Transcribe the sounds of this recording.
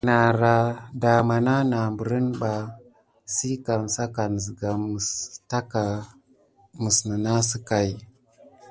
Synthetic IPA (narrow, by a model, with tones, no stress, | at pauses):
na˨ɾa˨da˨ma˨na˦na˨mbu˨ɾi˦nba˨ | si˦ka˨n˨sa˦ka˨n˨zi˨ɡa˨m˨sta˦ka˨ | mə˨snə˨na˦si˦ka˨j